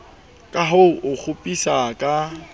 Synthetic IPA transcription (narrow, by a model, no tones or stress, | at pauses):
kʼaɦoʊʔʊk͡xʰʊpʼisakʼa